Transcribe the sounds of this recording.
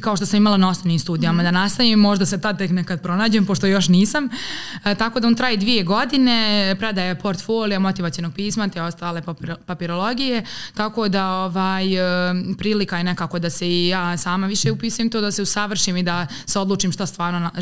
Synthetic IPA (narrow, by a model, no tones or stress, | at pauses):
kao̞ʃt̪o̞samimalˠanao̞snoʋniːmst̪uːd̪ijamad̪anast̪aʋimːo̞ʒd̪aset̪ad̪̚t̪eknekad̪̚pɾo̞naːd͡ʑempo̞ʃt̪o̞jo̞ʃniːsamt̪akod̪aont̪ɾaːjid̪ʋije̞ɡo̞d̪ine̞pɾed̪aːjepo̞ɾt̪foːlijamo̞t̪iʋat̪ionoɡ̚piːsmat̪eo̞st̪aːlepapiɾo̞lo̞ɡije̞t̪ako̞ːd̪aoʋaːjpɾiːlikajene̞kaːko̞d̪aseijaːsaːmaʋiʃeupiːsujemt̪oːd̪aseusaʋr̩ʃiːmid̪a | seo̞d̪lˠuːt͡ʃiːmʃt̪ast̪ʋaːɾnon